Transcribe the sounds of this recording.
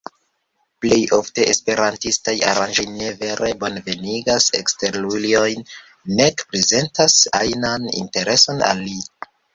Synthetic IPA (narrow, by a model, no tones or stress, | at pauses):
ple̞jo̞fte̞ʔespe̞ɾantistaja̰ɾand͡ʒo̞jne̞ve̞ɾʔebonve̞niɡase̞̰ksteɾlulio̞jnː | e̞kpɾe̞ze̞ntasajnanḭnte̞ɾe̞so̞na̰lːi